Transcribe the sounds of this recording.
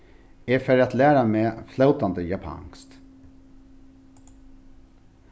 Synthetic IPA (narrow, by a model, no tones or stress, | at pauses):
efœɾɑt̪læːɾameːflaʊt̪ɑnd̪əjɑpʰɑ̰ŋst̪